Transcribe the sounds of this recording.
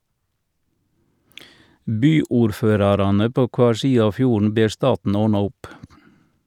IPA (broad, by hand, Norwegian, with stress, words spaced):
ˈbyːʊɾˌføːɾɑɾɑnə ˈpoː ˈkʋɑːɾ ˈsiːə ˈɑː ˈfjuːɳ̩ ˈbeːɾ ˈstɑːtn̩ ˈoːɳɑ ˈʊp